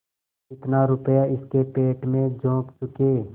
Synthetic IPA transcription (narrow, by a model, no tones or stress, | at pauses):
ɪt̪naɾʊpjaɪskepeːʈmẽd͡ʒõːkt͡ʃʊkeː